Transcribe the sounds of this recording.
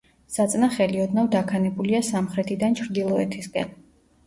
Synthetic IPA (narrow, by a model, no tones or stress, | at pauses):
sat̪sʼnaχɛliɔd̪navd̪akʰanɛbuliasamχɾɛt̪ʰid̪ant͡ʃʰɾd̪ilˠɔɛt̪ʰiskʼɛ̰n